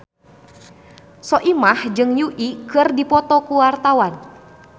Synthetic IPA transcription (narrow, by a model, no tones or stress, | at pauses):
sɔʔimahd͡ʒɨŋjuʔikɨrdipɔt̪ɔkuwart̪awan